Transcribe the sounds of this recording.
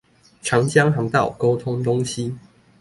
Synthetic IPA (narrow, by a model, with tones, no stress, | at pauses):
ʈ͡ʂʰɑ˨˥ŋt͡ɕja˥ŋɦɑ˨˧˥ŋt̪a˥˨˩ʊko˥ʊt̪ʰʊ˥ŋt̪ʊ˥ŋɕi˦